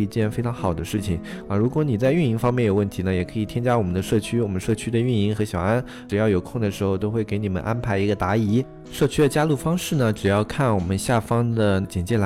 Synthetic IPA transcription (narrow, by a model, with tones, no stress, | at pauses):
i˧˥t͡ɕjɛ˥˩nfe˥ɪʈ͡ʂʰɑ˧˥ŋxɑ˨˩ʊd̪ə˦ʂɻ̩˥˩t͡ɕʰi˩ŋɐ˧˩ɻu˧˥kwɔ˧˥ni˨˩t͡sa˥˧ɪy˥˩ni˧˥ŋfɑ˥ŋmjɛ˥˩njo˨˩ʊwə˥˩nt̪ʰi˧˥nə˧jɛ˨˩kʰɤ˧˥i˨˩t̪ʰjɛ˥nt͡ɕja˥wɔ˨˩mə˦nd̪ə˧ʂɤ˥˩t͡ɕʰy˥wɔ˨˩mə˦nʂɤ˥˧t͡ɕʰy˥d̪ə˨y˥˩ni˧˥ŋxɤ˧˥ɕjɑ˨˩ʊa˥n | ʈ͡ʂɻ̩˨˩jɑ˥˩ʊjo˨˩ʊkʰʊ˥˩ŋd̪ə˩ʂɻ̩˧˥xo˥˧ʊt̪̬o˥ʊxwe˥˩ɪke˧˥ɪni˨˩mə̰˦nʔa˥npʰa˧˥ɪi˧˥ɡə˧t̪a˧˥i˧˥ | ʂɤ˥˧t͡ɕʰy˥d̪ə˨t͡ɕja˥lu˥˩fɑ˥ŋʂɻ̩˥˩nə˩ʈ͡ʂɻ̩˨˩jɑ˥˧ʊkʰa˥˩nwɔ˨˩mə˦nɕja˥˩fɑ˥ŋd̪ə˨t͡ɕjɛ˨˩nt͡ɕjɛ˥˩la˧